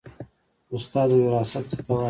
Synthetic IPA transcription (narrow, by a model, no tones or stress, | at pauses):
ʊst̪ɑːd̪wɪɾɑːsat̪sə̥t̪awɑ